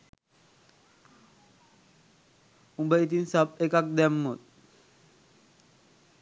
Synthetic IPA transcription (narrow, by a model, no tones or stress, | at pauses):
ũmbəjt̪̬iːnsapekak̚d̪ɛmːot̪̚